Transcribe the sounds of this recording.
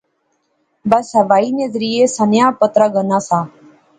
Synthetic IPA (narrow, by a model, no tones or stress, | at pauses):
bəsɦəʋaːiːnezəɾɪːeːsənjãːpət̪ɾaːɡənaːsaː